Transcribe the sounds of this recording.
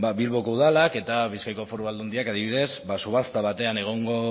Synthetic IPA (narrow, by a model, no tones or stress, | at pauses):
baβilβokouðalake̞t̪aβiskajko̞foɾuβald̪und̪iakaðiβiðe̞sbasuβast̪aβat̪e̞ane̞ɣ̞o̞ŋɡo̞